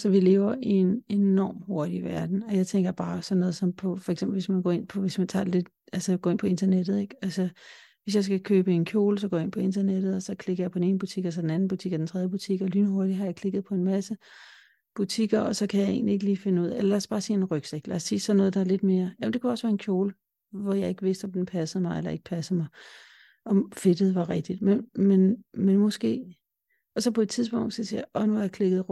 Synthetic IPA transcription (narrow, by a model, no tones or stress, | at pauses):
sɒʋile̝ːʊɐʔienenɒ̰ːmho̝ɐd̥iʋæɐd̥n̩ɒ̽jɑ̈ɪt͡sʰeŋɡɐb̥ɑ̈ːsɒ̽nːɔ̽ːðˠsɒ̽mpʰɒ̽fɒeɡ̥semb̥lʋe̝smænɡ̥ɔ̰ːe̝n̰pʰɒ̽ʋe̝smænt͡sʰɑ̰̈ːdele̝d̥ | ælsəɡ̥ɔ̰ːe̝npʰɒ̽e̝nd̥ɐned̥ð̩ˠe̝ɡ̥ælsə | ʋe̝s̬jɑ̈ɪsɡ̥ækʰøːb̥əe̝nkʰjo̝ːls̬ɒ̽ɡɔ̰jae̝npʰɒ̽e̝nd̥ɐned̥ð̩ˠɒsɒ̽kʰle̝ɡ̥ɐjɑ̈pʰɒ̽dene̝ːn̩əb̥ut͡sʰiɡ̥ɒs̬ɒ̽d̥enæn̩b̥ut͡sʰiɡ̥ɒd̥ent͡sʰʁɛðˠjəb̥ut͡sʰiɡ̥ɒlyːnəɦo̝ɐd̥iɦɑ̈jäkʰle̝ɡ̥ð̩ˠpʰɒ̽e̝nmæsə | b̥ut͡sʰiɡ̥ɐʔɒ̽sɒ̽kʰæjɑ̈ɪe̝̰ːnlie̝ɡ̥əliːfe̝nuð̞̰ˠelɐlæsb̥ɑ̈ːsiːenʁœɡ̥seɡ̥læɐsːiːsɒ̽nːɔ̽ːð̞̩ˠd̥ɑ̈æɐle̝d̥̚me̝ːɐjæmnd̥e̝kʰuɒ̽sʋæːɐe̝nkʰjo̝ːlə | ʋɒjɑ̈ɪe̝ɡ̥əʋe̝sd̥ɒ̽md̥enpʰæsəð̩ˠmɑ̈ɪelɐe̝ɡ̥ə̥pʰæsð̩ˠmɑ̈ɪ | ʔɒ̽mfe̝d̥ð̩ˠʋɑ̈ʁɛɡ̥̚d̥id̥menmenmenmɒ̽sɡ̥e̝̰ː | ɒ̽sɒ̽pʰɒ̽e̝d̥̚t͡sʰiðˠsb̥ɔ̽ŋ̰d̥sɒ̽sḭjɐʔɒ̽nuæjakʰle̝ɡ̥ð̩ˠ